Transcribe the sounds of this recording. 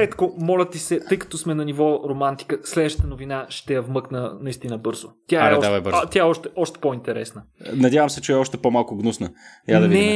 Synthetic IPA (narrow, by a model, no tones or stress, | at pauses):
ɾɛt̪komɔlʲɐt̪isɛt̪ɤjkɐ̥t̪ɔsmɛnɐnivɔɾomant̪i̥kəslɛd̪vəʃt̪ə̥t̪ənovinaʃt̪ɛjɐvmɤknənɐist̪inəbɤɾzot̪ʲjaɛɔavbəɾt̪ʲjaɛɔʃt̪ɛɔʃt̪ɛ̥point̪ɛɾɛ̰snənɐd̪ʲjavɐmsɛt͡ʃɛɛɔʃt̪ɛpomalˠkʊɡnusnəjad̪ɐniɛ